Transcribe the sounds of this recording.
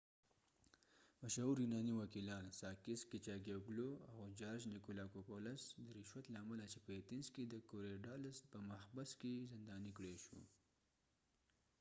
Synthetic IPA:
maʃauɾjinɑniwakilɑːnsɑkɪskɪt͡ʃɑɡeɡloawd͡ʒɑɾʃnɪkulɑkopolasd̪əɾɪʃwat̪laːmalat͡ʃepəjet̪inzked̪əkoɾeɖɑlaspəmahbaskezɪnd̪ɑnikɽeʃṵ

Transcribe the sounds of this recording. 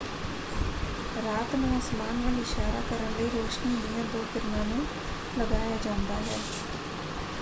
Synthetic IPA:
ɾaːt̪mɛ̃əsmaːnʋəlɪʃaːɾaːkəɾənləiːɾoːkʃniːniːə̃d̪oːkɪɾnãːnũː | ləɡaːjaːd͡ʒãːʊnd̪aːɦɛː

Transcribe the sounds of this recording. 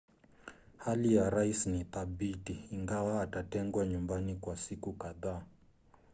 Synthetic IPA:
halijaɾaisniθaɓitiːŋɡawaːtatɛŋɡwaɲumbanikwasikukaðaː

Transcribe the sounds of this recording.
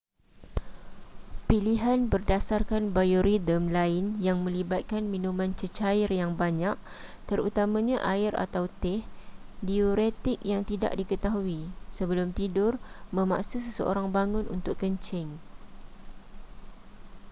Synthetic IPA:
piliɦanbərdasarkanbajoɾidəmlaɪnjaŋmə̃libat̪̚kanmĩnumãnt͡ʃət͡ʃaɪrjaŋbaɲaʔ | t̪əɾut̪amãɲãʔaɪra̰t̪awt̪ɪhdioɾet̪ɪk̚jaŋt̪ida̰ʔdikət̪aɦuisəbəlʊmt̪idʊrmə̃ma̰ʔsusəsə̰o̰ɾaŋbaŋʊnṵnt̪ʊkːəɲt͡ʃɪŋ

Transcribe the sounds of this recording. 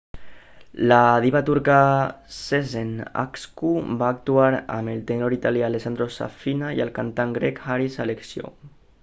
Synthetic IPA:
lað̞iβat̪uɾkasezena̰kskubaːk̚t̪uaɾa̰melt̪enoɾit̪aljalesand̪ɾosa̰finajelkant̪aŋɡɾɛkhaɾisaleksjo̰

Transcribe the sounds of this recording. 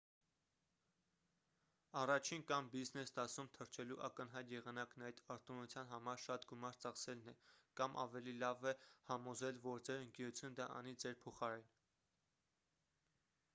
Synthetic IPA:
ɑrɑt͡ʃʰinkɑmbiznɛsd̪ɑsumt̪ʰəɾt͡ʃʰɛluʔɑkənɦɑjt̪jɛʁɑnɑknɑjt̪ɑɾt̪unut͡sʰjɑnɦɑmɑɾʃɑt̪ɡumɑɾt͡sɑχsɛlnɛkɑmʔɑ̰vɛlilɑvɛhɑmɔzɛlvɔɾd͡zɛɾəŋkɛɾut͡sʰjunəd̪ɑʔɑ̰nid͡zɛɾpʰɔχɑɾɛn

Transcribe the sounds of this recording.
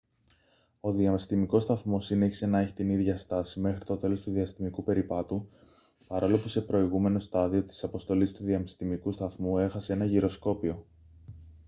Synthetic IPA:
o̞ðiɐmst̪imiko̞st̪ɐθmo̞sineçise̞nɐe̞çi̥t̪iniðʝɐst̪ɐsime̞xɾit̪o̞t̪e̞lo̞st̪uðiɐst̪imikupe̞ɾipɐt̪u | pɐɾo̞lo̞puse̞pɾo̞iɣume̞no̞st̪ɐðio̞t̪i̥sɐpo̞st̪o̞list̪uðiɐmst̪imikust̪ɐθmue̞xɐsee̞nɐʝiɾo̞sko̞pio̞

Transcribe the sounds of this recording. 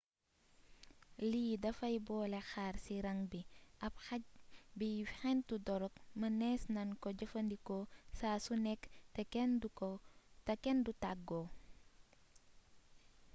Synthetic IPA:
liːdɐfɐjbɔːlɛxaːrsiɾɐŋbiʔɐp̚xɐbixɛntudɔɾɔkmɐnɛːsnɐnkɔɟɐfɐndikɔsaːsunɛktɛ | tɐkɛndutaɡɔ

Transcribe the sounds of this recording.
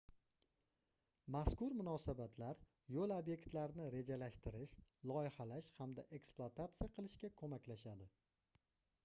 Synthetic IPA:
maskʊɾmʊnɒsabat̪ʰlaɾ | jolˠabje̞kt̪laɾnɪɾe̞d͡ʒalaʃt̪ɪɾɪʃlˠɒjɪhalaʃhamd̪aʔe̞ksplˠat̪ʰat̪sɨjaqʰɨlˠɪʃkʲakʰɵmakʲlaʃad̪ɪ

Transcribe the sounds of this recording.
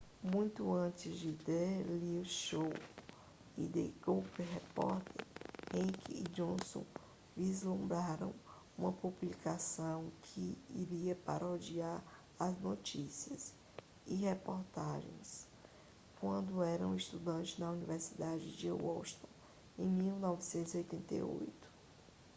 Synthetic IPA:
mũj̃t̪ʊɐ̃t͡ʃɪzd͡ʒɪd̪elivʃow | ḭd̪eɡupeɦepɔɾt̪ḛɾhẽkid͡ʒõsõ̰ | vizlũmbɾaɾɐ̰̃w̃ | ũmɐpublikasɐ̃w̃kʰɪḭɾiɐpa̰ɾʔɐod͡ʒiaɾ | aznot͡ʃisiɐs | ɪhepoɾt̪aʒḛ̃j̃s | kwɐ̃nd̪ʊɛɾɐ̰̃w̃ist̪ud̪ɐ̃nt͡ʃɪznɐuniveɾsid̪ad͡ʒɪd͡ʒɔlʃt̪õ | ẽj̃miwnɔvisẽnt̪ʊziojt̪ẽnt̪ḛo̰jt̪ʊ̥

